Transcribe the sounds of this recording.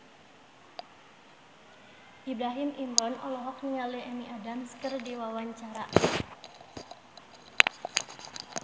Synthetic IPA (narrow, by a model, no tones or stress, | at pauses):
ʔibɾaɦimʔimɾɔnʔɔlɔɦɔk̚niŋaleʔemiʔadamskərdiwawaɲt͡ʃaɾaʔ